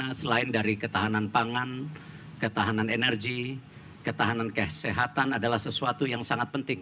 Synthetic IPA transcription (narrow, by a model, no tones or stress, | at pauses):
asəlaɪndaɾikət̪aɦananpaŋan | kət̪aɦananenərɡi | kət̪aɦanankəseɦat̪anadalahsəsuat̪ujaŋsaŋat̪̚pənt̪ɪŋ